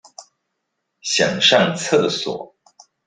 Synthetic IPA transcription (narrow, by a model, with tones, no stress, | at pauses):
ɕjɑ˨˩ŋʂɑ˥˧ŋt͡sʰɤ˥˩d̪ə˩swɔ̰˨˩˦